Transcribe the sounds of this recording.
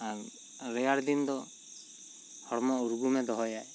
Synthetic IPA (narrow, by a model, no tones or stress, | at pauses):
aɾ | ɾɛjaɾd̪ind̪ɔ | hɔɽmɔuɾɡumɛd̪ɔɦɔjaj